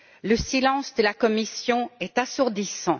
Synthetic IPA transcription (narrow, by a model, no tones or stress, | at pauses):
ləsilɑ̃sd̪əlakɔmisjɔ̃ɛt̪asuʁd̪isɑ̃